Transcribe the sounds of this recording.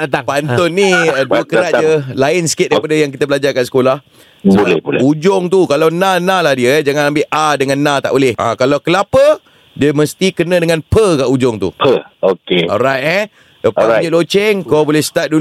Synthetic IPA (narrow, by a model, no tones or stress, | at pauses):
apant̪ʊnːiəduəkəɾat̪̚d͡ʒəlaɪnsə̥kɪt̪̚dajpadəjaŋk̬it̪əbəlad͡ʒakat̪̚sə̥kolah | sbalɛbolud͡ʒɔŋt̪ukalawnãnãlahdiəd͡ʒaŋãnambɪʔʔadəŋãnːãt̪a̰ʔbolɪhã̰kalawkəlapə | diəməst̪ikənə̃dəŋãnpəkaʔud͡ʒʊŋt̪ṵpəokeɔ̰ɾajt̪̚ɛ | dəpailot͡ʃɛŋkabolɛhst̪at̪̚du